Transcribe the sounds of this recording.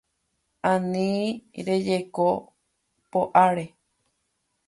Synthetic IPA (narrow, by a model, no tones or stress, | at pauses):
ãnĩɾed͡ʒeko | poʔaɾe